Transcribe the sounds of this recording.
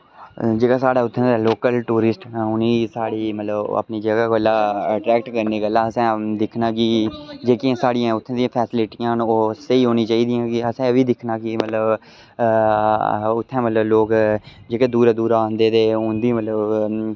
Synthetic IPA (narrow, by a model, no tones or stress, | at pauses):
d͡ʒeːɡaːsaːɽaːʊt̪ʰːẽːd̪ːloːkəlʈuːɾɪsʈːʊniːsaːɽiːmət̪ləbə̰pniːd͡ʒəɡaːɡəlːaːəʈɾɛːkʈkəɾneːkəlãːəsɛ̃ːd̪ɪkʰnaːkɪd͡ʒeːkiãːsaːɽɪjãːʊt̪ʰːãːd̪ijãːpʰɛːsɪlɪʈɪːãːnːoːsəiːɦoːnĩːt͡ʃaːiːd̪ijãːkɪəsɛ̃ːʋiːd̪ɪkʰnaːkɪmət̪ləb | ʊt̪ʰːɛ̃ːmət̪ləbloːkd͡ʒeːkeːd̪uːɾaːd̪uːɾaãːnd̪eːt̪eːʊ̃nd̪imət̪ləb